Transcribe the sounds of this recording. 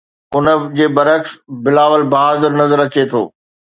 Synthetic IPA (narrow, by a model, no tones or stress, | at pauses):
ʊnəd͡ʑeːbɐɾəksbɪlaːʋəlbɐɦaːzɪɾnɐzəɾɐt͡ɕet̪ʰo̰ː